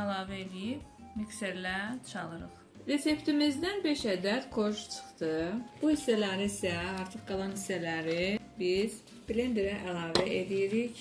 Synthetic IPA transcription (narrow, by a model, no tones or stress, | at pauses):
ælˠɑːvæelijibmikseɾlæt͡ʃʰɑlˠɯɾɯχ | ɾe̞se̞pt̪ʰimizd̪ænbe̞ʃæd̪æt̪kʰo̞ɾʃt͡ʃʰɯ̥χt̪ɯb̥uhisːælæɾisæɑɾt̪ʰɯχɡɑlˠɑnhisːælæɾibiz̥ | ble̞nd̪eɾæʔælˠɑːvæʔelijiɾiç